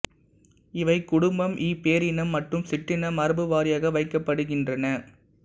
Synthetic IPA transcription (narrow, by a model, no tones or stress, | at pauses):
ɪʋɐɪkʊɽʊmbɐmʔiːpeːɾɪnɐmːɐʈrɯmsɪʈːɪnɐmɐɾɯbɯʋaːɾɪjɐɣɐʋɐɪkːɐpːɐɽɯɣɪndrɐnɐ